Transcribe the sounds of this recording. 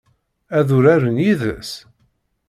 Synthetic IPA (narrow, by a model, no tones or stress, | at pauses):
æðʊɾæɾənjiðə̰s